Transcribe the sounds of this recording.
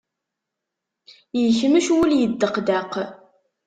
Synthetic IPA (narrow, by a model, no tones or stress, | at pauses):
jəçməʃwuljəd̪ːəqd̪æq